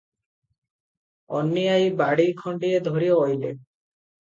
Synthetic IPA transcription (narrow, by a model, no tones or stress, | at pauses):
ɔ̰nːiajbaɽijkʰɔɳɖied̪ʱoɾioːjle